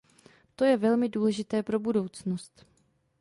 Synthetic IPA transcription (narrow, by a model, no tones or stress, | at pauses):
t̪o̞jɛvɛlmɪduːlɛʒɪt̪ɛːpɾo̞budo̞wt͡snost̪